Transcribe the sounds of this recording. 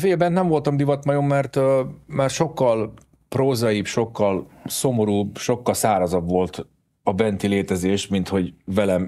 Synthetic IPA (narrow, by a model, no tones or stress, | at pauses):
feːlbɛnnɛɱvo̞lt̪ɒmd̪ivɒt̪mɒjo̞mːɛrt̪marʃo̞kːɒl | proːzɒjipʃo̞kːɒlso̞mo̞ɾuːbʃo̞kːɒlsaːɾɒzɒbʋo̞lt̪ | ɒbɛnt̪ileːt̪ɛzeːʃmint̪ho̞ɟvɛlɛm